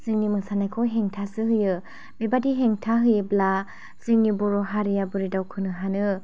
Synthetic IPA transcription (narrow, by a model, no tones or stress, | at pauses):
z̥ɯŋnimɯŋsanajkʰɔɦeŋtʰasɯɦɯjɯ | bebadiɦeŋtʰaɦɯjɯbla | z̥ɯŋnibɔɾɔɦaɾijabɯɾidawkʰɯnɯɦanɯ